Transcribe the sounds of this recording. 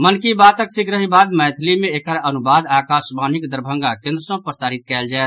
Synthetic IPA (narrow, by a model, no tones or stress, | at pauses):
mənkibaːt̪əksikʰɾəɦibaːd̪mɛːt̪ʰlimẽekəɾənubaːd̪aːkaːsbaːnikd̪əɾbʱə̃ŋɡakẽnd̪ɾəsõpɾəsaːɾit̪kɛːld͡ʒaɛ